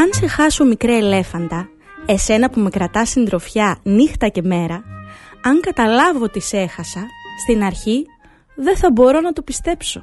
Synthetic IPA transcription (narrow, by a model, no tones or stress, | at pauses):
ɐnse̞xɐso̞mikɾeele̞fɐnd̪ɐ | e̞se̞nɐpume̞kɾɐt̪ɐsind̪ɾo̞fçɐnixt̪ɐce̞me̞ɾɐɐŋkɐt̪ɐlɐvo̞t̪ise̞xɐsɐst̪inɐɾçi | ðe̞θɐbo̞ɾo̞nɐt̪opist̪e̞pso̞